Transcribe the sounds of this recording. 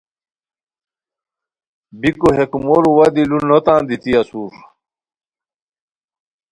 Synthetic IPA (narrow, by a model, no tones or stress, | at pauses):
bikuɦekumoɾuwɐd̪ilunːot̪ãːnd̪it̪iɐsuːɾ